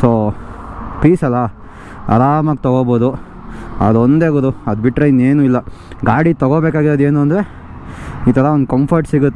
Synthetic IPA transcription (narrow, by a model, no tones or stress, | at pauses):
soː | piːsɐlːɐ | ɐ̰ɾaːmɐk̚t̪ɐɡoːboːd̪u | ɐd̪ond̪eɡɐɾuɐd̪biʈːɾɐinːeːnuːilːɐɡaːɽit̪ɐɡoːbeːkaːɡiɾɐd̪e̞ːnuɐnd̪ɾe̞ | iːt̪ʰɐɾɐond̪ukɐmpʰɐɾʈsiɡut̪ːe